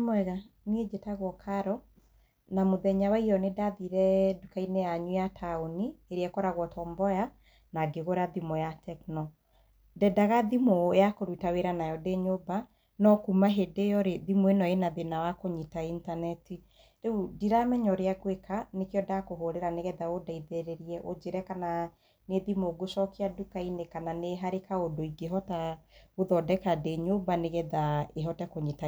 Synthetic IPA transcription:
mwɛɣa | nied͡ʒetaɣwɔkʰaɾɔ | namoðɛɲawaiɾɔnedaðiɾɛdukainejaɲujatʰaonieɾeɛkɔɾaɣwɔtɔːmbɔja | naɡeɣoɾaðimɔjatʰɛknɔ | dɛdaɣaðimojakoɾutaweɾanajɔdeɲoba | nɔkumaɦedejɔɾeðimoenɔenaðenawakoɲitaintanɛti | ɾeudiɾamɛɲɔɾeaɡwekanekeɔdakoɦoɾeɾaneɣɛðaodaiðeɾeɾiɛʔod͡ʒeɾɛkana | neðimoɡoʃɔkeadukainekananeɦaɾekaodoiɡeɦɔtaoðɔdɛkadeɲobaneɣɛðaeɦɔtɛkoɲita

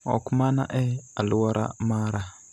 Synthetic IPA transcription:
ɔ̰kmana̰ʔɛaluwaɾʔa̰maɾa

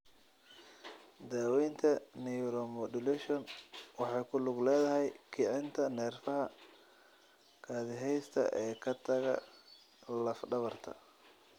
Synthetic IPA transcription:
d̪aːwɛjnt̪ʰɐnijɾɔmɔd̪ʊlɛʃɔnwɑħɑjkʰʊlʊɡlɛːðɐɦɛjkʰɪʕɪnt̪ʰɐnɛːrfɐɦɐ | kʰaːðɪɦɛjst̪ʰɐ̰ʔɛːkʰɐt̪ʰɐɣɐ̰ | lɐfɖɐβɐrt̪ʰɐ̰

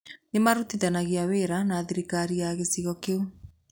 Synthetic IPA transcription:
nemaɾutiðanaɣiaweɾanaːðiɾikaɾiaɣesiɣɔkeu

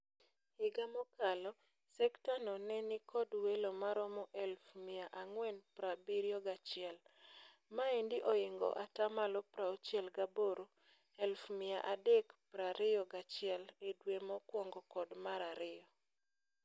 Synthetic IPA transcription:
hɪɡamɔkalɔ | sɛktanɔnɛnikʰɔdwelomaɾɔmɔʔɛlfmɪaʔaŋwɛnpɾabiɾjɔɡat͡ʃɪɛl | maendɪʔoɪŋɡɔ̰ʔatamalɔpɾaot͡ʃjɛlɡaboɾo | ɛlfmɪa̰ʔadɛkpɾaɾɪjɔɡat͡ʃɪɛledwemɔkwɔŋɡɔkɔdmaɾaɾɪɔ

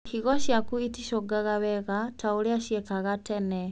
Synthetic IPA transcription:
hiɣoʃjakuitiʃoɡaɣaβɛɣatʰauliaʃjekaɣatenɛ

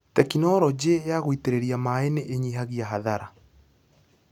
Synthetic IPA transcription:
tɛkinɔɾɔd͡ʑejaɣoiteɾeɾiamaeneʔeɲiɦaɣiaɦaðaɾa

